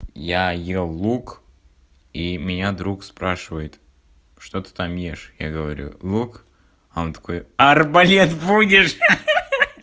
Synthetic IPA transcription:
jajelˠːuk | imʲɪnʲad̪ɾukspɾaʂɨvəjɪt̪ | ʂt̪ot̪ɨ̥t̪amjeʂja̰ɡəvɐɾʲṵlˠuk | ɐont̪ɐ̥kojɐrbɐlʲet̪budʲɪʂ

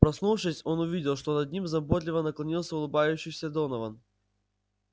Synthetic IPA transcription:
pɾɐsnuvʂɨsʲo̞nʊvʲidʲɪlˠʂt̪o̞nɐd̪̚ʲnʲimznɐbot̪lʲɪvənəklˠɐnʲilˠsʲəʊlˠɨbajʉɕːɪjsʲəd̪o̞nəvən

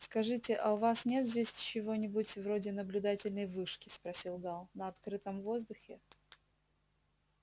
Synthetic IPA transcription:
skɐʐɨtʲɪʔɐʊvasnʲe̞t̪zʲdʲesʲt͡ɕɪvo̞nʲɪbʊtʲvɾo̞dʲɪnəblʲʊd̪atʲɪlʲnəjvɨʂkʲɪspɾɐsʲilˠɡalˠnəɐt̪kɾɨt̪əmvo̞zd̪ʊxʲɪ

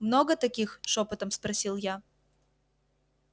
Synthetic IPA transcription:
mnoɡət̪ɐkʲixʂopət̪əmspɾɐsʲilˠja

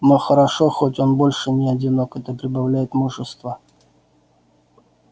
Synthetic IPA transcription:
məxəɾɐʂoxotʲo̞nbo̞lʲʂɨnʲɪɐdʲɪno̞kɛt̪əpɾʲɪbɐvlʲæjɪt̪muʐɨst̪və

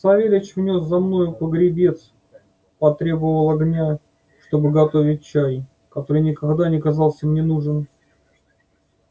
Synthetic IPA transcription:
sɐvʲelʲɪt͡ɕvnʲo̞szɐmno̞jʊpəɡɾʲɪbʲe̞t̪s | pɐt̪ɾʲe̞bəvvəlˠɐɡnʲa | ʂt̪o̞bɨɡɐt̪o̞vʲɪt̚ʲt͡ɕaj | kɐt̪o̞ɾɨjnʲɪkɐɡd̪anʲɪkɐzɑlˠsʲimnʲɪnuʐɨn

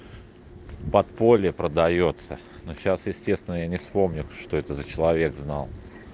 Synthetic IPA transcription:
pɐt̪po̞lʲɪjəpɾəd̪ɐjo̞t̪sə | noɕasjɪsʲtʲe̞st̪vʲɪnəjanʲɪfspo̞mnʲʊʂt̪o̞ɛt̪əzət͡ɕɪlˠɐvʲe̞ɡznɑlˠ

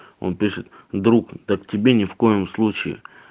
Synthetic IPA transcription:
o̰npʲiʂɨt̪̚ | d̪ɾukd̪əktʲɪbʲenʲɪfko̞jɪmslˠut͡ɕɪɪ̰

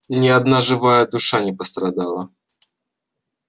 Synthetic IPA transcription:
nʲɪɐd̪naʐɨvajəd̪ʊʂanʲɪpəst̪ɾɐd̪alˠə

